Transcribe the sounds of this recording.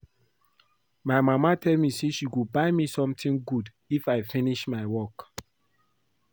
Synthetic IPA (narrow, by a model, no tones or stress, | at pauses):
maɪmamatʰɛlmiseʃiɡubaɪmisɔ̃mtʰĩŋɡud | ifaɪfĩniʃmaɪwɔk